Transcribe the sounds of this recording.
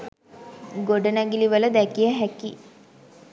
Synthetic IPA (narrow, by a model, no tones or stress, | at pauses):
ɡoɖənaɡiliʋələd̪ækijəɦæki